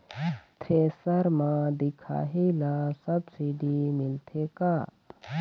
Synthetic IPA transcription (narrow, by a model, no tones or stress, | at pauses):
t̪ʰɾeːsəɾmãːd̪ɪkʰa̰ːɦilasɐbsiɖimɪlt̪ʰeka